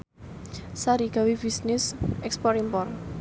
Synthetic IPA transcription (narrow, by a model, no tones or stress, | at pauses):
saɾiɡ̥a̤wib̥isnɪsʔɛkspɔɾimpɔr